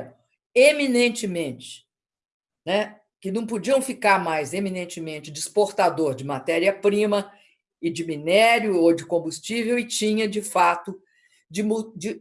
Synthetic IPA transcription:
eminẽnt͡ʃɪmẽnt͡ʃɪ̥ | nɛ | kɪnɐ̃w̃pod͡ʒiɐ̃w̃fikaɾmajzeminẽnt͡ʃɪmẽnt͡ʃɪd͡ʒɪspoɾt̪ad̪oɾd͡ʒɪmat̪ɛɾiɐpɾĩmɐ | ɪd͡ʒɪminɛɾjʊod͡ʒɪkõbust͡ʃivewɪt͡ʃĩɲɐd͡ʒɪfat̪ʊ | d͡ʒɪmud͡ʒɪ

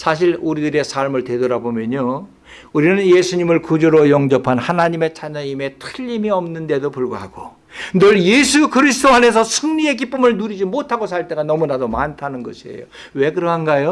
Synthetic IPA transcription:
sʰaɕ̬ʰiɭuɾidɯɾe̞sʰaɭmɯɭtwe̞dʌɾabomjʌɲo | uɾinɯnjesʰuɲimɯɭkud͡ʑoɾojʌŋd͡ʑʌpʰanhanaɲime̞t͡ɕʰaɲʌɲime̞tʰɯʎːimiʌmnɯnde̞dopuɭɡoɦa̰ɡ̥o | nɯɭje̞sʰukɯɾis̬ʰɯdoane̞sʰʌsʰɯŋɲie̞k̬ip͈ɯmɯɭnuɾid͡ʑimotʰaɡos̬ʰaɭt͈e̞ɡanʌmunadomantʰanɯnɡʌ̰ɕʰiḛjo | we̞kɯɾʌɦanɡajo

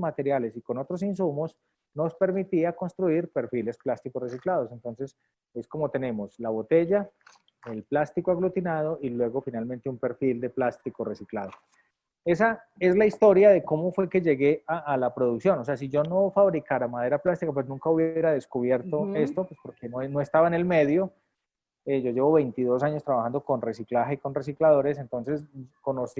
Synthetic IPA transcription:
mat̪e̞ɾjale̞siko̞no̞t̪ɾo̞s̬ins̬umo̞s | no̞spe̞ɾmit̪iako̞nst̪ɾuiɾpe̞ɾfile̞splast̪ikores̬iklaðo̞se̞nt̪o̞nse̞s | e̞sko̞mo̞t̪e̞ne̞mo̞slaβo̞t̪e̞ʝa | elplast̪ikoaɣlut̪inaðo̞ʔilwe̞ɣo̞finalmẽ̞nt̪e̞umpe̞ɾfild̪e̞plast̪iko̞re̞siklaðo̞ | e̞sa | e̞zlaist̪o̞ɾjaðe̞ko̞mo̞fwe̞ke̞ʝe̞ɣe̞ʔaʔalapɾo̞ðuksjo̞nos̬e̞as̬id͡ʒo̞no̞faβɾikaɾamað̞e̞ɾaplast̪ikapwesnũŋkauβje̞ɾaðe̞skuβje̞ɾt̪o̞e̞st̪opwespo̞ɾkenono̞est̪aβaene̞lme̞ðjo̞ | ed͡ʒo̞d͡ʒe̞βo̞βe̞jnt̪iðo̞saɲost̪ɾaβaxand̪o̞ko̞nre̞siklaxeiko̞nres̬iklaðo̞ɾe̞s̬ent̪o̞nse̞sko̞nos

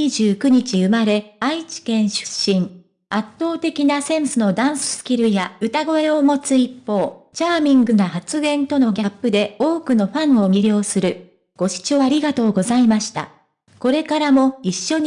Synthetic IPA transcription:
iʑɨːkɯ̟ɲ̟it͡ɕiɯ̟maɾe̞ait͡ɕi̥kẽ̞ɰ̃ɕɨ̥ɕːĩɴ | at̪ːo̞ːt̪e̞kʲinasẽ̞ɰ̃sɨno̞d̪ãɰ̃sɨ̥sɨ̥kʲiɾɯ̟jaɯ̟t̪aɡo̞e̞o̞mo̞t͡sɨipːo̞ːt͡ɕaːmʲĩŋɡɯ̟nahat͡sɨɡẽ̞nt̪o̞no̞ɡʲapːɯ̟d̪e̞o̞ːkɯ̟no̞ɸãɰ̃o̞mʲiɾʲo̞ːsɨɾɯ̟ | ɡ̥o̞ɕi̥t͡ɕo̞ːaɾʲiɡat̪o̞ːɡo̞zaimaɕi̥t̪a̰ | ko̞ɾe̞kaɾamo̞iɕːo̞ɲ

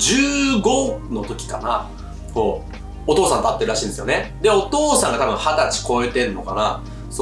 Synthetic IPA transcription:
d͡ʑɨːɡo̞no̞t̪o̞kʲi̥kana | koː | t̪o̞ːsãnt̪at̪ːe̞ɾɯ̟ɾaɕĩːnd̪esɨjo̞ned̪eo̞t̪o̞ːsãŋɡat̪abɯ̟̃ɰ̃hat̪at͡ɕi̥ko̞et̪e̞ɾɯ̟no̞̰kana | so

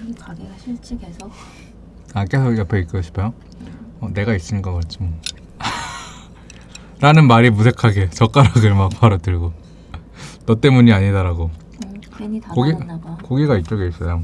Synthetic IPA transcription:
ak͈e̞sʰojʌpʰe̞ik͈ɯɕʰi̥pʰajo | ʌne̞ɡais͈ɯɲkʌk͈at̚t͡ɕ͈ʰimo | ɾanɯnmaɾimusʰe̞kʰaɡe̞t͡ɕʌk͈aɾaɡɯɭmak̚paɾotɯɭɡo | nʌt͈e̞muɲiaɲidaɾaɡo | koɡikoɡiɡait̚t͡ɕ͈ʌɡeis͈ʌjo

